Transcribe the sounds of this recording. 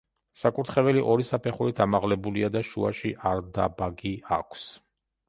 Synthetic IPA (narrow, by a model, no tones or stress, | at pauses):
sakʼuɾt̪ʰχɛvɛliʔɔɾisapʰɛχuɾit̪ʰamaʁlɛbuliad̪aʃuaʃiʔaɾd̪a̰baɡiakʷʰs